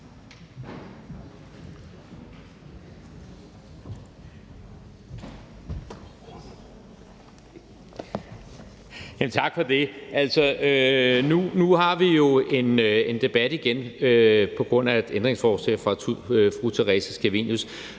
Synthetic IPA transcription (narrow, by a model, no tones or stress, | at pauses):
jæmnt͡sʰɑ̈ɡ̥fɒ̽d̥e̝ʔæl̰sɒønunuhɑ̈ʋijo̝e̝ne̝nd̥e̝b̥æd̥iɡ̥enøpʰɒ̽ɡ̥ʁɔ̽n̰æ̥end̥ʁeŋsfɒːslɛ̰ːfʁɑ̈ufʁut͡sʰeʁɛsæsɡ̥ʰæʋḭnjus